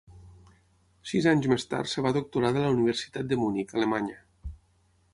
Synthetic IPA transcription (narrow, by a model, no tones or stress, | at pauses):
sizaɲzmest̪a̰rt̪səβaðok̚t̪uɾaðələuniβ̞əɾsi̥t̪at̪̚d̪əmunikəlemaɲə